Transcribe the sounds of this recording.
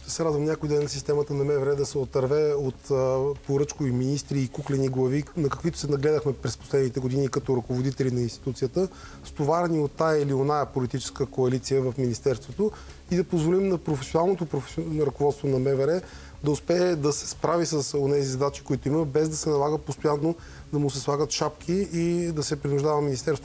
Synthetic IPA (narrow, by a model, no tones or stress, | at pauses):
t̪ɛsɛɾad̪vəmnʲakoid̪ɛnːɐsist̪ɛmət̪ənɐmɛvɛɾɛd̪ɐsɛot̪ɐɾvɛot̪ːpoɾɤt͡ʃkoviminist̪ɾiːkuklɛniɡlˠɐvinɐkə̥kvit̪ʊ̥sɛnɐɡlɛd̪əxmɛpɾɛspo̥slɛd̪nit̪ɛɡod̪inikɐt̪ɔɾɐkovod̪it̪ɛlinɐinst̪i̥t̪ut̪sijət̪ə | st̪ovaɾɛniot̪ːaɛɛlionaəpolit̪it͡ʃɛ̥skəkoɐlit̪sijəvɐfminist̪ɛɾst̪vot̪o | id̪ɐpozvolimnɐpɾofɛsʲjonalˠnot̪opɾofɾɐkovɔt̪st̪vonɐmɛvɛɾɛ | d̪ɐʊspɛːd̪ɐsɛ̥spɾʔavisəsonɛzizɐd̪at͡ʃi̥koit̪ʊiməbɛzd̪ɐsɛnɐlˠaɡəpost̪ojanːo | d̪ɐmʊsɛslˠaɡət̪ʃapk̟ʰiːd̪ɐsɛpɾinʊʒd̪avəminist̪ɛɾst̪vo